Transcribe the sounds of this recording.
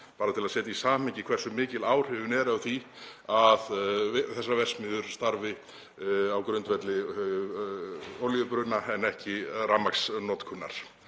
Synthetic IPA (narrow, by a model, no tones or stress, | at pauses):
paːɾat̪ʰɪlaðsɛːt̪aisaːmɛɲcɪkʰvɛr̥sʏmɪːcɪlaːwr̥ɛvʏnɛɾawθiaðθɛs̬ːavɛr̥smɪðʏɾ̥st̪aɾvɪ | awkɾʏnt̪vɛt̪lɪ | ɔljʏpɾʏnaɛnɛhcɪramːaksnɔt̪kʰʏnːa̰ɾ̥